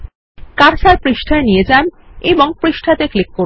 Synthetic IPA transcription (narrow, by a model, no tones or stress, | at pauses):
kaɾʃaɾpɾiʃʈʰaenijed͡ʑan | eboŋpɾiʃʈʰat̪eklikːo